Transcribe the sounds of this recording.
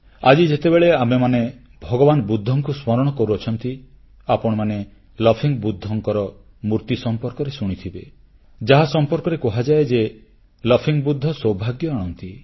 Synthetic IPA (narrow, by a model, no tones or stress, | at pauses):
ad͡ʒid͡ʒet̪ebeɭeamemane | bʱɔɡɔbanɔbud̪ʱːɔŋkusmɔɾɔɽ̃ɔkɔɾuɔt͡ʃʰɔnt̪i | apɔɽ̃ɔmane | lɔpʰiŋbud̪ʱːɔŋkɔɾɔ | muɾt̪isɔmpɔɾkɔɾesuɽ̃it̪ʰibe | d͡ʒaɦasɔmpɔɾkɔɾekɔɦad͡ʒaed͡ʒe | lɔpʰiŋbud̪ʱːɔsowbʱaɡjɔaɽ̃ɔnt̪i